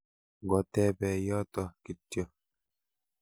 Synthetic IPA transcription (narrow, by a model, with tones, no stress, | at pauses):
ɡɔ˨t̪ɛ˦bɛ˨jɔ˦t̪ɔ˨ki˨tːjɔ˦